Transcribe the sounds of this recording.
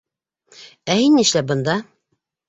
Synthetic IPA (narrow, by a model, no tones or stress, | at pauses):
æhinːiʃlæbɤ̆nd̪ɑ